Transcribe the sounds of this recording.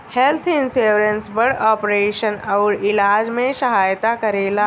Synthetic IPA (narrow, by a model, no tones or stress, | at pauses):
helt̪ʰinsuɾənsbəɾɽɔpɾeɕənəɾilad͡ʑmẽɕəɦajt̪akəɾela